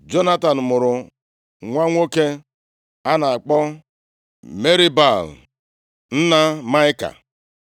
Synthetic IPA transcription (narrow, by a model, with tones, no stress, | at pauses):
d͡ʒo˦na˦ta˨n̩˨mʊ˨ɾʊ˨ | ŋʷa˦ŋʷo˦ke˦ | a˦na˨a˨k͡pɔ˦ | me˦ɾi˦ba˦˨l | n̩˦na˦ma˦ɪ˦ka̰˨